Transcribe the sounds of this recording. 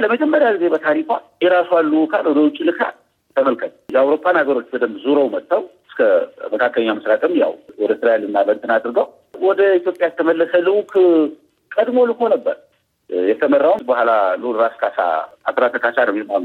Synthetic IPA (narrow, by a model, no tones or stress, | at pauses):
ləməd͡ʒɛmːəɾjaɡize̞bət̪ʰaɾikʷajɛɾasoalːukʰalwɔd̪əwʊt͡ʃʼːilɨkʰa̰t | t̪ʰəməlkʰət̪ʰjɛawɾo̞pːanhaɡəɾo̞t͡ʃːbəd̪əmzuɾowmət̪ʰʼːawɨskʰəməkʰakːələɲːaməsɾat̪ʼɨmja̰wɔd̪ət̪ɨɾajalɨnːabənt̪ɨnad̪ɾɨɡəw | wɔd̪əit̪jo̞pʼjajɛt̪ʰəməlːəsəlɨwkʰ | kʼəd̪mo̞lɨkʰo̞nəbːə̰ɾ | jɛt̪ʰəmərːawnbəhʷalalɨlɾaskʰasa̰at̪ɾat̪ʰəkʰasanəwjemalː